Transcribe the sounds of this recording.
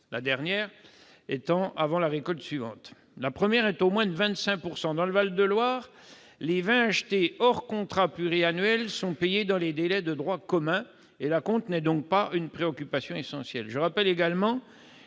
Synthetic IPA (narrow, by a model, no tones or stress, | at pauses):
la̰d̪ɛʁnjɛːʁ | et̪ɑ̃ʔavɑ̃laʁekɔlt̪sɥivɑ̰̃t̪ | lapχəmjɛʁɛt̪omwɛ̃d̪əvɛ̃t̪sɛ̃puʁsɑ̃d̪ɑ̃ləvald̪əlwaːʁ | levɛ̃aʃt̪eɔʁkɔ̃t̪χaplyʁianɥɛlsɔ̃pɛjed̪ɑ̃led̪elɛd̪əd̪ʁwakɔmɛ̃ | elakɔ̃t̪nɛd̪ɔ̃k̚paynpχeɔkʲypasjɔ̃esɑ̃sjɛlʒəʁapɛleɡalmɑ̃